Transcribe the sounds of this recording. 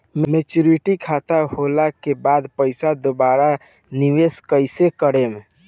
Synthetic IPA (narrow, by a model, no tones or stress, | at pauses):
mmet͡ʃuɾiʈikʰat̪aholakebad̪pəɪsad̪obaɾa | niʋeskəɪsekəɾem